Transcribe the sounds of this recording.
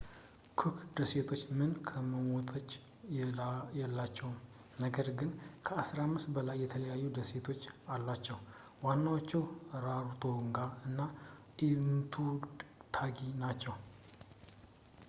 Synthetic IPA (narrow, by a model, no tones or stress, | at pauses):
kʰɨkʰd̪əse̞t̪ʰo̞t͡ʃːmɨnkʰəməmot̪ʼʰət͡ʃː | jɛlːat͡ʃːɛwm | nəɡəɾɡɨnkʰəasɾamːɨst̪bəlajːɛt̪ʰələjajːud̪əse̞t̪ʰo̞t͡ʃːalːat͡ʃːɛw | wanːawot͡ʃːɛwɾaɾt̪ʼʰo̞ŋɡaɨnːaʔimt̪ʰut̪ʰaɡinat͡ʃːɛw